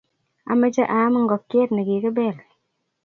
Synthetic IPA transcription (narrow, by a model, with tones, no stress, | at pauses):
a̰˨mə˦d͡ʒa˦ʔaː˨˦mə˦ŋ̩˦ɡɔ˨kːe˦ɾnə˨ɡi˨kə˦bɛ˦˨l